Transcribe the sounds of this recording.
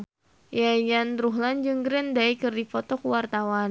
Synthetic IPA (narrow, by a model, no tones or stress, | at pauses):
jajanɾuɦland͡ʒɨŋɡɾɛndaikɨrdifɔt̪ɔkuwart̪awan